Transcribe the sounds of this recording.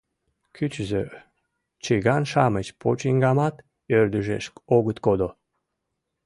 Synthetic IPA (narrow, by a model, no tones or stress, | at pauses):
kyt͡ɕzø | t͡ɕiɣɑnʃɑmət͡ɕpʰot͡ɕiŋɡɑmɑt̪ | ørd̪yʒḛʃkoɣət̪kod̪o